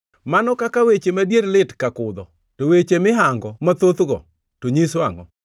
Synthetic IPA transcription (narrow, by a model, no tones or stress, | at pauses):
manɔkakawet͡ʃemadjeɾlɪtkakʊd̪ɔ | towet͡ʃemɪɦaŋɡɔmat̪ot̪ɡɔ̰ | toɲiswaŋɔ